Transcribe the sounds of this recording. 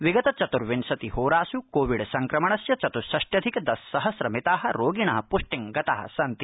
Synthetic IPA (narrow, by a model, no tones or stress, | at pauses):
ʋiɡɐt̪ɐt͡ʃɐt̪uɾʋinsɐt̪ihoːɾaːsukoːʋiɽsɐŋkɾɐmɐɳɐsjɐt͡ʃɐt̪uɾsɐʂʈjɐd̪ʱikd̪ɐsːɐɦɐsɾɐmit̪aːɦɐɾoːɡiɳɐɦɐpoʂʈiŋɡɐt̪aːɦɐ̰sɐnt̪i̥